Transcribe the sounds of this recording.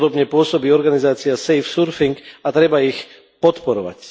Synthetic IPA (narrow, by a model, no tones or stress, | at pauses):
d̪ɔbɲɛpʊɔsɔbiːɔɾɡanizaːt͡siasɛjfsuɾfiŋkat̪ɾɛbaix | pɔt̪pɔɾɔʋa̰c